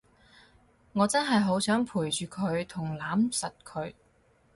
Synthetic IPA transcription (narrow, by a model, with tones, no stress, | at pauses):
ŋɔː˨˧t͡sɐ˥nɦɐ˨jɦo˨˥wsœː˨˥ŋpʰuː˨˩jt͡ʃyː˨kʰɵ˨˧ɥt̪ʰʊ˨˩ŋlaː˨˥msɐ˨t̚kʰɵ˨˧ɥ